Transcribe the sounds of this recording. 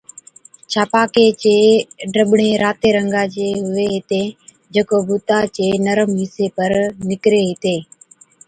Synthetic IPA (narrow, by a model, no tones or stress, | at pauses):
t͡ʃʰaːpaːkeːt͡ʃeːɖəɓɳeːɾaːt̪eːɾəŋɡaːt͡ʃeːɦʊʋeːɦɪt̪eː | d͡ʒeːkoːbʊːt̪aːt͡ʃeːnəɾəmɦiːseːpəɾnɪkɾeːɦɪt̪eː